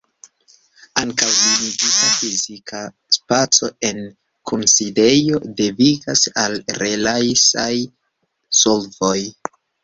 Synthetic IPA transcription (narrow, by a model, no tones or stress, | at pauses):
aŋkawliniɡitafizikʰa | spat͡so̞e̞n | kʰonside̞jo̞de̞viɡasalɾe̞lajsaj | so̞lvo̞j